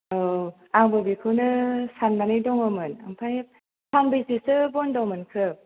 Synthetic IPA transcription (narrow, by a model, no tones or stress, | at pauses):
ɯ | aŋbɯbikʰɯwnɯsanbanɯjdɔŋɯmɯna̰mpʰaj̚ | pʰaŋbɯjsisɯbɔndɔmɯnkʰɯ